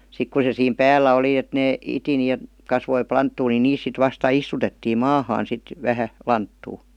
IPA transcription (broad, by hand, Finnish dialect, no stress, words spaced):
sik ku se siːm pæːlːæ oli et neː iti ni e kɑsʋoi plɑntːuː ni niːs sit ʋɑstɑ istutetːiːm mɑːhɑːn sit ʋæhæ lɑntːuː